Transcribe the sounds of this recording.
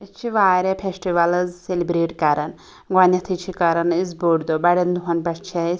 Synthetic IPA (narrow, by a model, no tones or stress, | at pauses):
ɨst͡ʃʰiʋaːɾʲepʰesʈiʋɐlɐzselibɾeːʈkɐɾɐn | ɡɐnʲɐt̪ʰit͡ʃʰikɐɾɐnizboɽd̪obɐɽɐnd̪uɦɐnpɐst͡ʃʰes